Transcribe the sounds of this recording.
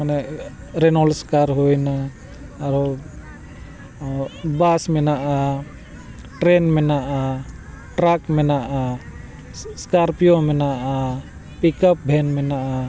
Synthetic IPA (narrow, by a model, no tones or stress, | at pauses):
manɛ | ɾɛnɔlskaɾɦojnaː | ɾɔ | basmɛnaʔa | ʈɾɛnmɛnaʔa | ʈɾakmɛnaʔa | skaɾpijɔmɛnaʔa | pikap̚bʱɛnmɛnaʔa